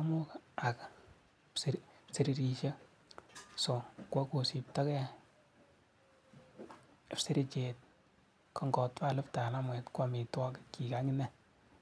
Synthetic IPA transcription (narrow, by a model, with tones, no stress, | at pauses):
amʊ˦ka˨k | spsi˨ɾi˨ɾi˨ʃe˦ | so˨kwa˦ko˨si˨p̚ta˦kɛ˦˨ | psi˦ɾi˦t͡ʃe˨t̚ | kʰɔ˨ŋɡɔ˨tpa˦˨lɪ˦pta˨na˦mwɛ˨tkwa˨mi˨twɔ˦kki˨ka˦ŋɪ˦nɛ˦